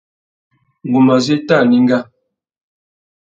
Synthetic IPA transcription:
ŋ˨ɡu˨ma˨ze˦ta˦˨ni˦ŋ˦ɡa˦

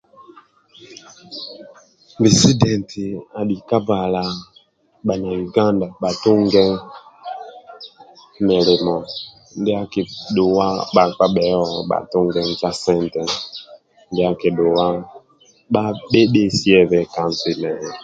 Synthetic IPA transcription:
bi˨si˦dɛ˨ntʰi˨a˨ɗi˨ka˦ba˨la˨ | ɓa˨na˨ju˨ɡa˦nda˨ɓa˨tu˦ŋɡɛ˦ŋ˦ | mɛ˨le˨mɔ˨ | n˦de˦a˦ke˨ɗo˨wa˦ɓa˨k͡pa˦ɓɛ˨˦ɔ˨ɓa̰˨tu˦ŋɡɛ˦n˦t͡ʃa˦sɛ˦ntɛ˨ | n˦dɛ˦a˦ke˨ɗo˨wa˦ | ɓa˦ɓe˦ɓe˦si˦ɛ˦˨βɛ˨ka˨n˨zi˨nɛ˨

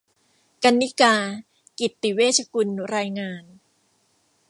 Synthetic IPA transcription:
ka˧nːi˦˥kaː˧ | ki˨˩t̪ːi˨˩weː˥˩t̚t͡ɕʰa˧ku˧nɾaː˧jŋaː˧n

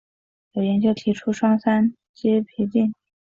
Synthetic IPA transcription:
jo˨˩jɛ˧˥nt͡ɕjo˥ʊt̪ʰi˧˥ʈ͡ʂʰu˥ʂwɑ˥ŋsa˥n | t͡ɕi˥pʰi˧˥t͡ɕi˥˩n

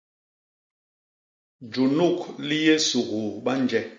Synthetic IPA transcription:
d͡ʒu˨nu˦˨kli˦je˦su˨ɣu˨ɓa˦nd͡ʒɛ˦

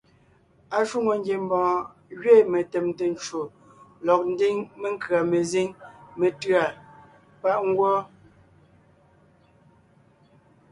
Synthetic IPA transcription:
a˨ʃu˦ŋo˨ŋ˦ɡje˨m˦bɔ̃˨ | ɣɥe˦˨me˨te˨mte˨n˨t͡ʃo˨ | lɔ˨k̚n̩˦di˦ŋme˦ŋ̩˦kɰa˨me˨zi˦ŋme˨tɰa˨ | pa˦˨ʔŋ̩˦ɡwɔ˦

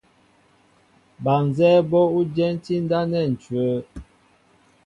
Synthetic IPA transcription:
ba˨n˨zɛː˦bɔ˦u˦d͡ʒɛ˦n˦ti˦n˦da˦nɛ˦˨n̩˨t͡ʃwə˨˦

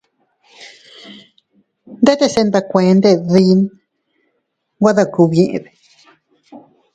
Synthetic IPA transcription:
nd̪e˦t̪e˦˧˨se˧nd̪a˧kʷẽ˨˦˧nd̪e˦˧ði˦˧˦n | ɡʷa˦ða˦˧ku˧βẽ˧ʔḛ̃˧ðe̥˨

